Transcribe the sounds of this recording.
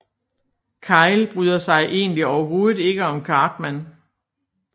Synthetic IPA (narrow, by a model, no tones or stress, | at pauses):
kʰɑ̈ɪlb̥ʁyːðˠɐsɑ̈ɪʔe̝̰ːnliɒʊɐɦo̝ːð̩ˠe̝ɡ̥əɒ̽mkʰɑ̈ːd̥mæn